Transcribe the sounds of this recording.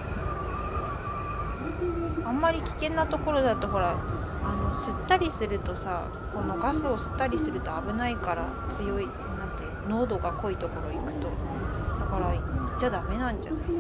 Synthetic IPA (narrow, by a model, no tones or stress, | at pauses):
ãmːaɾʲikʲi̥kẽ̞nːat̪o̞ko̞ɾo̞d̪at̪ːoɦo̞ɾa | ano̞sɨt̪ːaɾʲisɨɾɯ̟t̪o̞sa | ko̞no̞ɡasɨo̞sɨ̥t̪ːaɾʲisɨɾɯ̟t̪o̞abɯ̟naikaɾa | t͡sɨjo̞i | nãnt̪e | no̞ːd̪o̞ɡako̞it̪o̞ko̞ɾo̞ikɯ̟̥t̪o̞ | dd̪akaɾait͡ɕːad̪ame̞nãɲ̟d͡ʑa̰